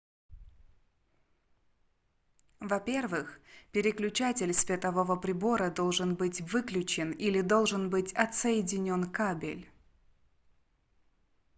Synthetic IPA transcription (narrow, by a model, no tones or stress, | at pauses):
vɐpʲe̞rvɨxpʲɪɾʲɪklʲʉt͡ɕatʲɪlʲsvʲɪt̪ɐvovəpɾʲɪbo̞ɾəd̪o̞lˠʐɨnbɨtʲvɨklʲʉt͡ɕɪnilʲɪd̪o̞lˠʐɨnbɨtʲɐt̪səjɪdʲɪnʲo̞nkabʲɪ̰lʲ